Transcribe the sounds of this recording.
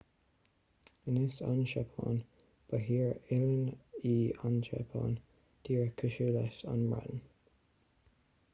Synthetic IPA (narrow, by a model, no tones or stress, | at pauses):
ənɪsanʃɛpʰɑ̰n | b̥əɦiːɹɪləniːanʃɛ̰pʰɑ̰ːn | d̥iːɹkʰəʃulɛsa̰nmɹɛ̰ʔn̩